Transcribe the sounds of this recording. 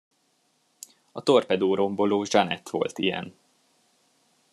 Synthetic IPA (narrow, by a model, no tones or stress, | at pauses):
ɒt̪o̞rpɛd̪oːɾo̞mbo̞loːʒɒnɛt̪ʋo̞̰lt̪ijɛ̰n